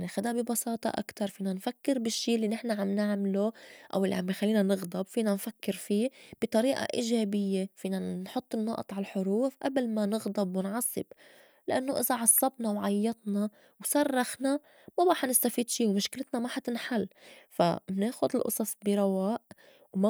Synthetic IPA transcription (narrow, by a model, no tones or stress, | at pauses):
nixad̪abibɑsɑːt̪ˤɑ̰ʔa̰kt̪ɑɾˤfiːnanfakːɪɾbɪʃːiːʔlːinɪħnaʕamnɪʕmloʔa̰wʔɪlːḭʕambxalːiːnanɪɣd̪ˤɑbfiːnanfakːɪɾfiːb̥ɪt̪ˤɑɾiːʔa̰ʔiːʒeːbɪjːefiːnanħʊt̪ˤːɨnːɑʔt̪ˤʕalħʊɾuːfʔablmanɪɣd̪ˤɑbwɪnʕɑsˤːɨb̥ | lʔanːoʔɪzaʕɑsˤːɑbnɑwʕajːɑt̪ˤnɑ | wsarˤːɑxna | mabaːħnɪst̪afiːd̪ʃiːwmʊʃklɪt̪namaħat̪ɪnħalːfa̰mneːxʊd̪ɪlʔɑ̰sˤɑsˤbiɾˤɑwaːʔ | wma